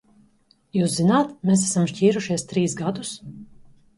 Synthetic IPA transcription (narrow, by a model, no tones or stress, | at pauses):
juːszinaːt̪meːs̬æsamʃciːɾuʃiɛst̪ɾiːsɡad̪us